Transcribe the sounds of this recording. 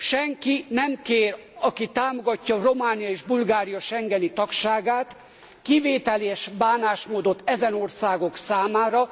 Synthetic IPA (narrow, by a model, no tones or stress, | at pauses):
ʃɛŋkinɛmkeːrɒkit̪aːmo̞ɡɒcːɒro̞maːnijɒeːʒbulɡaːɾijɒʃɛŋɡɛnit̪ɒkʃaːɡaːt̪ | kiveːt̪ɛleːʃbaːnaːʃmoːd̪o̞t̪ːɛzɛno̞rsaːɡo̞ksaːmaːɾɒ